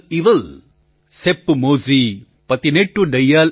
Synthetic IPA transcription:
iʋɐl | sepːmoːzi | pɐt̪ːineʈːuɖɐjaːl

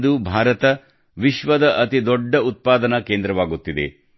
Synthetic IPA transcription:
d̪ubʱaːɾɐt̪ɐ | ʋiʃʋɐd̪ɐʔɐt̪id̪ɔɖːɐut̪̚paːd̪ɐnɐkeːnd̪ɾɐʋaːɡut̪ːid̪ḛ

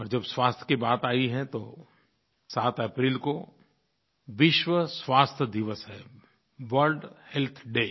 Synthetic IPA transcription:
ɔːɾd͡ʒɐbsʋwaːst̪ʰkibaːt̪aːiɦɛ̃t̪o | saːt̪ʰəpɾiːlko | ʋɪʃwəsʋaːst̪ʰəd̪ɪʋəsɦɛː | ʋəɾɖhelt̪ʰɖeː

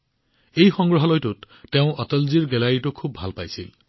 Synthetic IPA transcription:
ejxɔŋɡɹɔɦɔlɔjtʊtː | eʊ̃ʔɔtɔlziɹɡɛlaɹitʊkʰubʱalpajsḭl

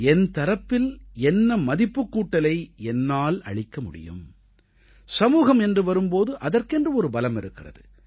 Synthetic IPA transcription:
ɛnt̪ɐɾɐpːɪlɛnːɐmɐðɪpːɯkːuːʈːɐlɐɪɛnːaːlɐ̰ɭɪkːɐmʊɽɪ̰jɯ̰m | sɐmuːɣɐmɛndrɯʋɐɾɯmpoːðɯʔɐðɐrkɛndrɯɔɾɯbɐlɐmɪɾɯkːɪrɐ̰ðɯ

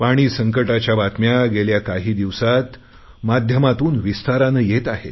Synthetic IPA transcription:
paɽ̃iːsəŋkəʈat͡ɕjaʋat̪mjaɡeljakaɦiːd̪iʋsat̪ | mad̪ʱjəmat̪uːnʋist̪aɾanəjet̪aɦḛ

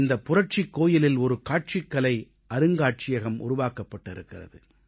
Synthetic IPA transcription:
nd̪ɐpːʊrɐʈ̚t͡ʃɪkːoːjɪlɪlɔɾɯkaːʈ̚t͡ʃɪkːɐlɐɪ | ʔɐɾɯŋɡaːʈ̚t͡ʃɪjɐɣɐmʊ̰ɾʊʋaːkɐpːɐʈːɪɾɯkːɪrɐ̰ðɯ

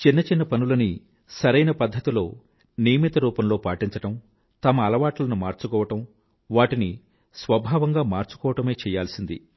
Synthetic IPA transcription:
t͡ʃinːɐt͡ʃinːɐpɐnulɐni | sɐɾɐjnɐpɐd̪ʱːɐt̪ilo̞ː | nijɐmit̪ɐɾuːpɐmlo̞ːpaːʈiɲt͡ʃɐʈɐm | t̪ɐmɐːlɐʋaːʈɐlɐnumaːɾt͡ʃukɔːʋɐʈɐm | ʋaːʈini | sʋɐbʱaːʋɐŋɡaːmaːɾt͡ʃu̥kɔːʋɐʈɐme̞ːt͡ʃɛːjaːlsind̪ḭ

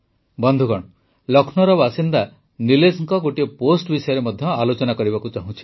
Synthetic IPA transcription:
bɔnd̪ʱuɡɔɽ̃ɔ | lɔkʰnɔɾɔbasind̪a | nilesŋkɔɡoʈieposʈbisɔjɔɾemɔd̪ʱjɔalot͡ʃɔnakɔɾiβakut͡ʃaɦũt͡ʃʰi̥

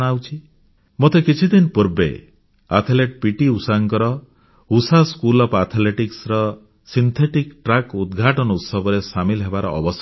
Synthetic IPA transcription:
ɽ̃awt͡ʃʰi | mot̪ekit͡ʃʰid̪inpuɾbḛ | a̰t̪ʰleʈ̚piʈiusaŋkɔɾɔ | usaskulɔpat̪ʰleʈiksɾɔ | sint̪ʰeʈikʈɾakud̪ɡʱaʈɔnɔut̪sɔbɔɾesamilɦebaɾɔ̰ʔːbɔs

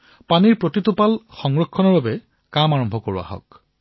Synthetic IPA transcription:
paniɹpɹotitupalxɔŋɹɔkʰːɔnɔɹbabɛ | kamaɹɔmbʱɔkoɹua̰ɦɔ̰k̚

